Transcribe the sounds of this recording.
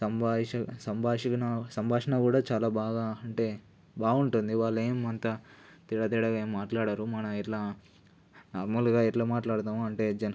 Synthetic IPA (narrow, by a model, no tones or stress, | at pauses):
sɐmbaːɐsɐmbʱaːʂikɐnɐsɐmbʱaːʂɐnɐkuːɽaːt͡ʃaːlaːbaːɡaːɐɳʈe̞ː | baːuɳʈund̪iʋaːɭːeːmɐnt̪ɐ | t̪iɽɐt̪̬iːɽɐɡɐemmaːʈlaːɽaːɾumɐnɐɛʈlaː | naːɾmɐlɡaːɛʈlaːmaːʈlaːɽt̪aːmuɐɳʈe̞ːd͡ʒɐn